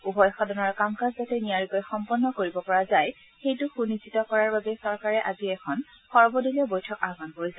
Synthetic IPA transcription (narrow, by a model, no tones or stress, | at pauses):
ubʱɔjxadɔnaɹkamkazzatɛniaɹikɔjxɔmpɔnːɔkoɹibɔpɔɹazaj | xejtʊxunizitɔkɔɹaɹbabɛsɔɹkaɹɛʔaziɛkʰɔn | xɔɹbɔdiliɔbojtʰɔkaɡanpoɹisa